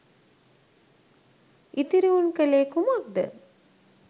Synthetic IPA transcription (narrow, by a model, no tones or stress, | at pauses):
it̪iɾiʋunkəleːkumak̚d̪ə̰